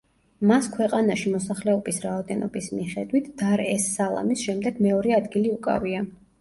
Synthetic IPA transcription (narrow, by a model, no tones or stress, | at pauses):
maskʰwɛqʼanaʃimɔsaχlɛɔbisɾaɔd̪ɛnɔ̰bismiχɛd̪wit̪ʰd̪̥aɾɛsːalˠa̰misʃɛmd̪ɛɡ̥mɛɔɾɛad̪ɡiliukʼa̰via